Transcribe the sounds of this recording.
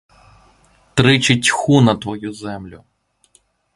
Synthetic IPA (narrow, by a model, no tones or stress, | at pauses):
t̪ɾɪt͡ʃetʲxunɐt̪ʋɔjuzɛmlʲʊ